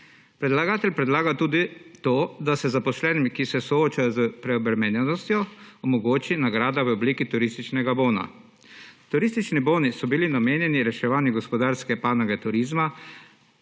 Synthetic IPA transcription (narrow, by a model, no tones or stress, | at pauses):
pɾɛd̪laɡaːt̪ɛlʲpɾɛd̪laːɡat̪uːd̪it̪oːd̪asɛzapɔslɛːnimkisɛsɔoːt͡ʃajɔzəpɾɛɔbɾɛmɛnjɛnɔst̪jɔɔmɔɡoːt͡ʃinaɡɾaːd̪aʋəɔbliːkit̪uɾist̪it͡ʃnɛɡaboːna̰ | t̪uɾiːst̪it͡ʃniboːnisɔbilinameːnjɛniɾɛʃɛʋaːniɡɔspɔd̪aːɾskɛpaːnaɡɛt̪uɾiːzma